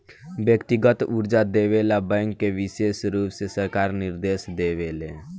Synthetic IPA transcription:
bjəkt̪ɪɡət̪ʊɾd͡ʒad̪eʋelabɛ̃ŋkːeʋɪʃeːsɾuːpsesəɾkaːɾnɪɾd̪eːsd̪eːʋeːle

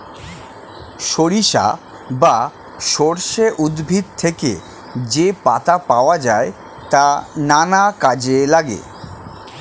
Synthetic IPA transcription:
ʃoɾiʃa̰ | ba | ʃoɾʃeʔud̪bʱid̪̚t̪ʰeke | d͡ʑepat̪apaoad͡ʑae | t̪ananakad͡ʑelaɡḛ

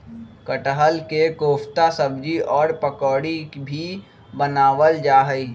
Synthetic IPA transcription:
kəʈəɦəlkekoːpʰt̪asəbd͡ʒiʔɔːɾpəkɔːɽikbʱi | bənaːʋəld͡ʒaːɦəi

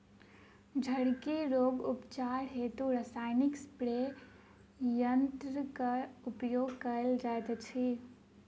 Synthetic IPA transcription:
d͡ʒʱəɽkiɾoɡupt͡ʃaɾɦet̪uɾəsaɪnikspɾe | jənt̪ɾəkəupjoɡkəld͡ʒaet̪t͡ʃʰi

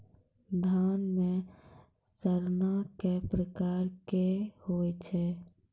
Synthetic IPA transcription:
d̪ʱanme | səɾnakepɾəkaɾkehot͡ʃʰɛ

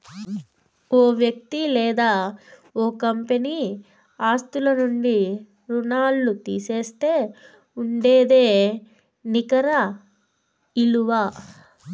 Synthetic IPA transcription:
oːʋjɐk̚t̪ilɛːd̪aːoːkɐmpeni | aːst̪ulɐnuɳɖi | ɾunaːlːut̪iːseːst̪e̞ː | uɳɖeːd̪eː | nikɐɾɐ | iluʋaː

